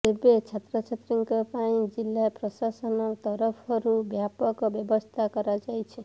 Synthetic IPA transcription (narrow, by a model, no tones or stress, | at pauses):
ebet͡ʃʰat̪ɾɔt͡ʃʰat̪ɾiŋkɔpaĩd͡ʒilːapɾɔsasɔnɔɾt̪ɔɾɔpʰɔɾubjapɔkɔbjɔbɔst̪ʰakɔɾad͡ʒajt͡ʃʰe